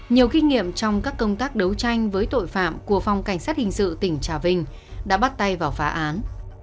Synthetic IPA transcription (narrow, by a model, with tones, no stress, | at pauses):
ɲi˨˩əwki˧ŋ̟ŋḭ˧˨əmt͡ɕɔ˧wŋ͡mkaː˦˥kːə˧wŋ͡mt̪aː˦˥k̚ɗə˨˦wt͡ɕa˧jŋ̟vəː˨˦jt̪o̰˧˨jfa̰ː˧˨mku˧˩əfɔ˨˩wŋ͡mka˧˩jŋ̟saː˦˥t̚hï˨˩ŋ̟sɨ̰˧˨t̪ï˧˩ŋ̟t͡ɕaː˧˩vï˧ŋ̟ | ɗa̰ː˧˥ɓa˦˥t̚t̪a˧jvaː˨˩wfaː˨˦ʔaː˨˦n